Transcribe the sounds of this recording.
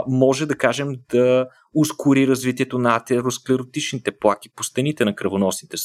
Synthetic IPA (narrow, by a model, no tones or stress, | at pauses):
mɔʒɛd̪ɐkaʒɛmd̪ɐ | ʊskʊɾiɾɐzvit̪iɛt̪onɐɐt̪ɛɾosklɛɾot̪it͡ʃnit̪ɛplˠak̟ipost̪ɛnit̪ɛnɐkɾɐvonɔsnit̪ɛs